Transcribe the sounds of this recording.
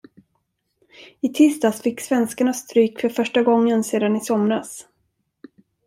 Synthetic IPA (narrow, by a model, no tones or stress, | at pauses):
ɪt̪ʰɪst̪asfɪkːsvɛnskaɳast̪ɾyːkfœɾfœʂʈaɡɔŋːənseːd̪anɪsɔmɾas